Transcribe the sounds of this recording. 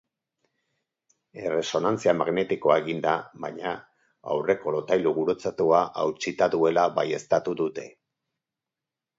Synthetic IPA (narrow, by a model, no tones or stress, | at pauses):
e̞re̞so̞nant͡siamaɣne̞t̪iko̞aeɣind̪aβajɲa | a̰wre̞ko̞lo̞t̪ajluɣuɾot͡sat̪uaʔawt͡ʃit̪aðue̞laβaje̞st̪at̪uðut̪e̞